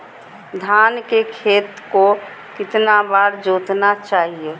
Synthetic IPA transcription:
d̪ʱaːnkekʰeːt̪ko | kɪt̪nabaːɾd͡ʒoːt̪nat͡ʃaːɦie

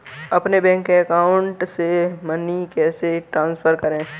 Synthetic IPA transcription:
ɐpnebɛ̃ːŋkːeɐkaːʊ̃ɳʈsemɐnikɛːseʈɾãːnsfʰəɾkɐɾẽː

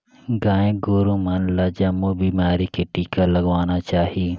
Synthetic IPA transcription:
ɡaːẽɡoːɾuːmɐnlad͡ʒamuːbiːmaːɾikeʈiːkalɐɡʋaːnaːt͡ʃaːɦiː

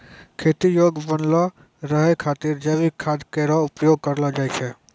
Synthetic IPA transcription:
kʰet̪ijoɡbənlɔ | ɾəɦɛkʰat̪iɾd͡ʒəbikʰad̪keɾɔupjoɡ̚kəɾlɔd͡ʒajt͡ʃʰɛ

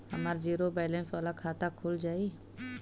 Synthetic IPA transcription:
ɦəmaːɾd͡ʒiːɾobɛːlẽnsʋaːlakʰaːt̪akʰʊld͡ʒaːi

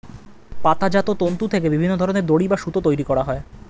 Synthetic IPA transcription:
pat̪ad͡ʑat̪ot̪ont̪ut̪ʰekebibʱinːod̪ʱɔɾoneɾd̪oɽibaʃut̪ot̪ojɾikɔɾaɦɔe

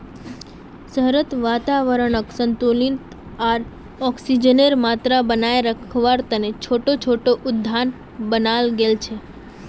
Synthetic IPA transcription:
səɦɾət̪ʋat̪aʋəɾəɳəksənt̪ulint̪ | aɾ | ɔksid͡ʒəneɾmat̪ɾabənaeɾəkʰʋaɾt̪ənet͡ʃʰoʈot͡ʃʰoʈoʔʊd̪ʱːan | bənalɡelt͡ʃʰe

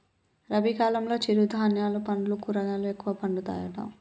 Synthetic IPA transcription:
ɾɐbikaːlɐmlo̞ːt͡ʃiɾud̪ɐːnjaːlupɐɳɖulukuɾɐɡaːluekːuʋɐpɐɳɖut̪a̰ːjɐʈɐ̰m

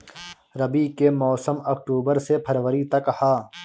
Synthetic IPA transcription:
ɾɐbikemɔːsəmɐkʈuːbəɾsepʰɐɾʋəɾit̪ɐkhaː

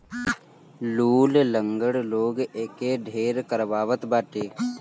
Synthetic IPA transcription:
luːlləŋɡəɽloːɡeːkeːɖʱeːɾkəɾʋaːʋət̪baːʈeː

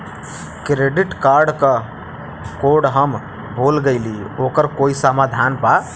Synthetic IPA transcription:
kɾeɖiʈkaɾɖkə | koɖɦəm | bolɡəɪliokəɾkoisamad̪ʱanpa

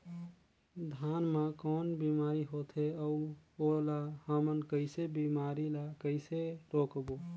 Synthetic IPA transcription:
d̪ʱanmãkɔːnbimaɾiɦot̪ʰeəuolahəmənkəɪsebimaɾilakəɪseɾokbo

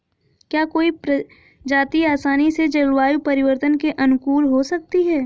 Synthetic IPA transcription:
kjaːkoːipɾ | d͡ʒaːt̪iaːsaːnised͡ʒɐlwaːjupɐɾɪwəɾt̪ənkeʔɐnʊkuːɾɦosɐk̚t̪iɦɛː

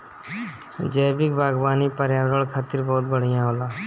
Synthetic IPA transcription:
d͡ʒeːbɪkbʱaːɡbaːnipəɾjaːɽəɭkʰaːt̪ɪɾbɔɦʊt̪bəɽ̤ijãɦoːlaː

